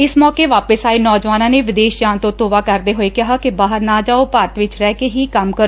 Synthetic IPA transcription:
ɪsmɔːkeːʋaːpəsaːiːnɔːd͡ʒʋaːnãːneːʋɪd̪eːʃd͡ʒaːnt̪õːt̪oːʋaːkəɾd̪eːɦoːeːkɪɦaːkɪbaːɦəɾnaːd͡ʒaːoːpaːɾət̪ʋɪt͡ʃɾɛːkeːɦiːkəmkəɾ

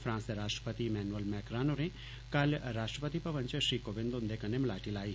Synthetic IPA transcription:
fʰɾãːnseɾaːʂʈɾə̥pət̪imɛːnuʋəlmɛːkɾaːnoɾẽ | kɐlɾaːʂʈɾəpət̪ipɐʋə̃nt͡ʃeʃɾiːkoːʋɪ̃nd̪oʊ̃nd̪ekɐnːẽmlaːʈilaːi

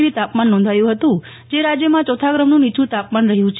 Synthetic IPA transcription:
ʋit̪apmanːɔ̃nd̪ʱajũɦət̪ũ | d͡ʒeɾad͡ʒjəmãt͡ʃɔt̪ʰaɡɾəmnũnit͡ʃʰũt̪apmanɾəɦjũt͡ʃʰ

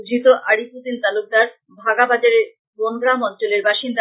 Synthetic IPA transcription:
d͡ʑʱit̪oʔaɽiput̪int̪aluk̚d̪aɾ | bʱaɡabad͡ʑaɾe | bonɡɾamɔnt͡ɕoleɾbaʃind̪a

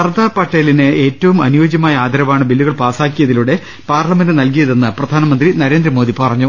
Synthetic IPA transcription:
ɐrd̪aːpːɐʈːeːlineʔe̞ːtːɐʋumɐnujoːd͡ʑjɐmaːjɐaːd̪ʱɐɾɐmaːɳɨbilːuɣɐɭpaːsaːkːijɐðiluɽe̞ | paːrɭɐme̞ndɨnɐlk̬ijɐðe̞nːɨprɐd̪ʱaːnɐmɐnd̪rinɐɾe̞ːnd̪ɾɐmo̞ːd̪ipɐrɐɲːu

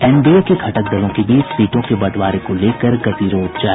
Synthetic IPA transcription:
ɛːmbiekekʰɐʈək̚d̪ɐlõkebiːt͡ʃsiːʈõkebɐʈʋaːɾekoleːkəɾɡɐt̪iːɾoːt̪d͡ʒaː

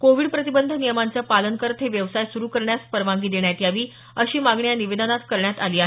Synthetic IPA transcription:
koʋiːɽpɾət̪ibənd̪ʱənijəmant͡səpalənkəɾt̪ʰeʋjəʋsajsuɾuːkəɾɳjaspəɾʋãŋɡiːd̪eɳjat̪jaʋiː | əɕiːmaɡɳjaniʋed̪ənat̪kəɾɳjat̪alia

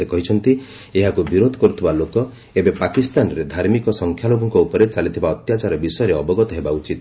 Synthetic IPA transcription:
ekɔɦit͡ʃʰɔnt̪i | eɦakubiɾod̪ʱɔ̥kɔɾut̪ʰibalokɔ | ebepakist̪anɔɾed̪ʱaɾmikɔsɔŋkʰjaloɡɔŋkɔupɔɾet͡ʃalit̪ʰibaɔt̪jat͡ʃaɾɔbisɔjɔɾeɔbɔɡɔt̪ɔɦebaut͡ʃit̪

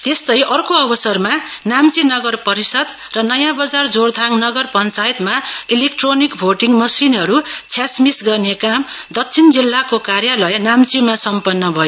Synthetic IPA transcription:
t̪est̪ʌjʔʌrkoʌbʌsʌrma | namt͡sinʌɡʌrpʌɾisʌd̪ | rʌnʌjãbʌd͡zard͡zord̪ʱaŋnʌɡʌrpʌnt͡sajt̪mailekʈronikbʱoʈiŋmʌsinɦʌɾut͡sʰjasmisɡʌrnekamd̪ʌt͡sʰind͡zilːakokarjalʌjnamt͡simasʌmpʌnːʌbʱʌjo

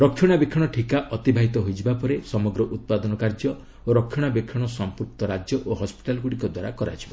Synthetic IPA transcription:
ɾɔkʰːjɔɽ̃abekʰːɔɽ̃ɔʈʰikaʔɔt̪ibʱaɦit̪ɔɦojt͡ʃʰibapɔɾesɔmɔɡɾɔʔut̪̚pad̪ɔnɔkaɾd͡ʒjɔ | oɾɔkʰjɔɽ̃abekʰːɔɽ̃ɔsɔmpuk̚t̪ɔɾad͡ʒjɔʔoɦɔspi̥ʈalɡuɽikɔd̪waɾakɔɾa̰t͡ʃʰibɔ

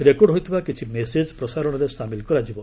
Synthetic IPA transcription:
ɾekɔɖɦojt̪ʰibakit͡ʃʰimesed͡ʒpɾɔsaɾɔɽ̃ɔɾesamilkɔɾad͡ʒibɔ

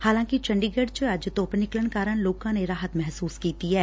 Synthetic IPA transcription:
haːlãːkit͡ʃɐ̃ɳɖiɡəɖt͡ʃəɐd͡ʒt̪oːpnɪkləɳkaːɾəɽ̃loːkãneɾaːɦət̪mɛɦsuːskiːt̪iɦɛː

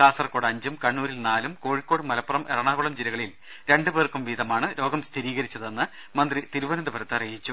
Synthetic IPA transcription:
kaːsɐrkoːɽɐɲd͡ʑumkɐɳːuːɾilnaːlumko̞ːɻikːoːɽɨmɐlɐpːɐrɐmʔḛrɐɳaːɣuɭɐmd͡ʑiɾɐɣɐɭil | ɾe̞ɳɖɨbe̞ːrkumʋiːd̪ɐmaːɳɨɾo̞ːɡɐmst̪ʰiɾiːɣɐɾit͡ɕːɐðenːɨ | mɐnd̪rit̪iɾuʋɐnɐnd̪ɐbʰʱɐɾɐt̪ːɨɐrijit͡ɕːu

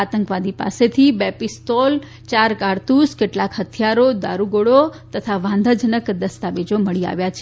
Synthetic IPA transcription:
at̪əŋkʋad̪ipa̰set̪ʰibepist̪ol | t͡ʃaɾkaɾt̪uskeʈlakhɦət̪ʰjaɾod̪aɾuɡoɽot̪ət̪ʰaʋãnd̪ʱad͡ʒənəkd̪əst̪aʋed͡ʒoməɭia̰ʋjat͡ʃʰe

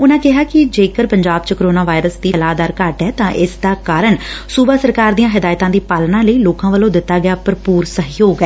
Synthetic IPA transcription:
ʊnãːkɪɦaːkɪd͡ʒeːkəɾpəɲd͡ʒaːb̚t͡ʃəkəɾoːnaːʋaːɪɾəsd̪iːəlaːd̪aːɾkaʈɦɛːt̪ãːʔɪsd̪aːkaːɾəɳsuːbaːsəɾkaːɾd̪ijãːɦɪd̪aːjt̪ãːd̪iːpaːlnãːləiːloːkãːʋəlõːd̪ɪt̪ːaːɡɪaːpəɾpuːɾsəɦiːoːɡɛː

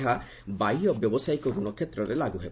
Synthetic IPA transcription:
ɦa | baijɔbjɔbɔsajkɔɡuɽ̃ɔkʰet̪ːɾɔɾelaɡuɦe

